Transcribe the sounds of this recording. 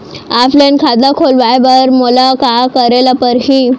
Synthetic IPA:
aflankʰad̪akʰolʋajbəɾməlakakəɾelapəɾɦi

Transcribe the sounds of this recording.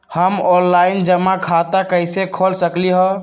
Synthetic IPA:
həmɔnlaɪnd͡ʒəmːakʰat̪akəjsekʰɔlsəkliɦɔ

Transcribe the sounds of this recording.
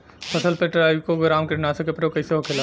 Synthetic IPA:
pʰɐsəlpeʈɾaːiʋkoɡɾaːmkɪʈnaːsekepɾeokɐiseɦokʰeːla

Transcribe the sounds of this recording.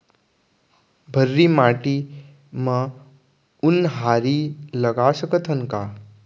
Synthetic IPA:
bʱəɾːimaʈi | ma | unɦaɾiləɡasəkət̪ʰɦənka

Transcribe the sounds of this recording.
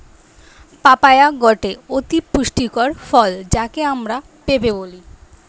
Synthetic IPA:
papajaɡɔʈeot̪ipuʃʈikɔɾfɔld͡ʑakeamɾa | pebeboli

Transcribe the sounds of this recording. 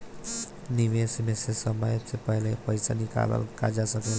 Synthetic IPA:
nɪʋeːsmesesəməjət̪sepɛɦlepəɪsa̰nɪka̰l̰lkad͡ʒasəkel

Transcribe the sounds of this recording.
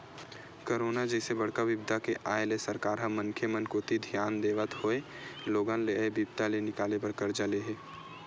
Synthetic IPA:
koɾoːnad͡ʒɛsebəɽ̤kaʋɪbd̪ʱakeʔaːelesəɾkaːɾɦə̃məŋkʰjəmənkot̪id̪ʱjaːnd̪eːʋət̪ɦoe | loːɡãnlebibt̪alenɪkaːlepəɾkəɾd͡ʒəleɦɛː

